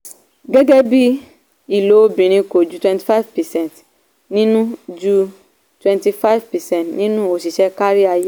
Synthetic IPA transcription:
ɡɛ˦ɡɛ˦bi˦ | i˨lo˨˦bĩ˨ɾ̃ĩ˧ko˨d͡ʒu˦twɛ̃˨nti̥˨fa˦vpɛ˨sɛ̃˦˨nt | nĩ˦nũ˦d͡ʒu˦ | twɛ̃˨nti˧fa˦i˦vpɛ˨sɛ̃˦ntnĩ˦nũ˦o˨si˨ʃɛ˦ka˦ɾi˦a˧je˦

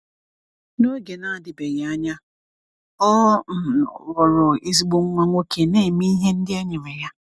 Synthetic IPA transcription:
no˦ɡe˨na˦a˨dɪ˨be˨ɣa˦ɲa˦ | ɔ˦˨ | ɔ˨ɾʊ˨i˦zi˦ɡ͡bo˦ŋ̩˦ŋʷa˦ŋʷo˦ke˨ne˦˨mi˦ɦe˦n̩˦dɪ˦e˦ɲe˨me˨ja˦

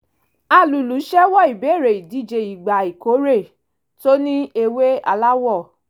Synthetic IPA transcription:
a˧˨lu˨lu˨˦ʃɛ˦wɔ˦i˨be˨˦˨ɾe˨i˨di˨˦d͡ʒe˧i˨ɡ͡ba˨i˨ko˨˦ɾe˦˨ | to˦nĩ˦e˧we˦a̰˧la˦wɔ˦˨

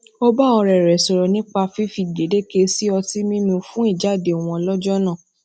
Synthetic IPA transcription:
o˦ba˦˨ɔ̃˧ɾɛ˨ɾɛ˨sɔ˨ɾɔ˨nĩ˦k͡pa˧fi˦fi˧˨de˨de˦ke˧si˦ɔ˧ti˦mĩ˦mĩ˧fũ˦i˦˨d͡ʒa˦˨de˨w̃ɔ̃˧ɔ˧lɔ˦d͡ʒɔ˦nã˦˨

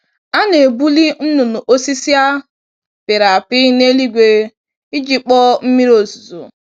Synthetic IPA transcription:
a˦ne˨bu˦li˦n̩˦nu˨nʊ˨ʔo˦si˦si˦a˦ | pɪ˨ɾa˨pɪ˦ne˦li˦ɡʷe˨ | i˦d͡ʒi˨k͡pɔ˦m̩˦mi˦ɾo˨zu˨zo̰˨

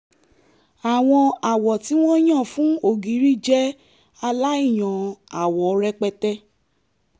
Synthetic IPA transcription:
a˨w̃ɔ̃˧a˨wɔ˨ti˨˦w̃ɔ̃˦j̃ã˦˨fũ˦o˦˨ɡi˨˦ɾi˦d͡ʒɛ˦ | a˧la˦i˦˨j̃ɔ̃˨a˨wɔ˨˦ɾɛ˧k͡pɛ˧tɛ˦

